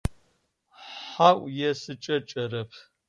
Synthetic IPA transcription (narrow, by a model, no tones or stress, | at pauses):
ħaʔʷʼjɛsɨt͡ʃʼɐt͡ʃʼɐɾɐpʰ